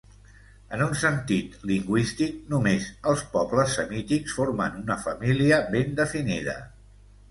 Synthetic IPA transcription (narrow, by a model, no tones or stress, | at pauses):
ənunsənt̪it̪liŋɡwist̪ik̚numezəlˠspɔbləsːəmit̪iksfoɾmənunəfəmiliəβend̪əfiniðə̰